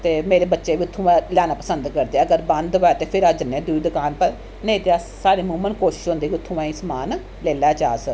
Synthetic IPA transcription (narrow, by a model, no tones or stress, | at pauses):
t̪eːmeːɾeːbətːʃeːʋiːʊt̪ʰːũːãːlɛːnãːpəsənd̪kəɾd̪eːɛːəɡəɾbə̃nd̪baːt̪eːpʰɪɾaːd͡ʒənːed̪uiːd̪ʊkaːnpəɾ | nẽĩt̪ea | saːɾeːmʊːmənkoːʃɪ̥ʃɦõnd̪eːkiʊt̪ʰːũːʋãːismaːn | lɛːlaːt͡ʃaːs